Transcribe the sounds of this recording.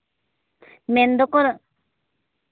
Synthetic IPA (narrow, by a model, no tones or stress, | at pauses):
mɛnd̪ɔkɔɾ